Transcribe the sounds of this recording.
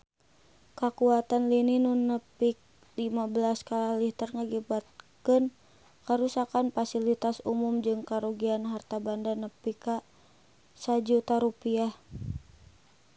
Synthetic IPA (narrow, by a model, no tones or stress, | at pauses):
kakuat̪anlininunːəpik̚ | limabəlaskalahliht̪ərŋaɡibat̪̚kən | kaɾusakanfasilit̪asumumd͡ʒɨŋkaɾuɡianɦart̪abandanəpika | sad͡ʒut̪aɾupia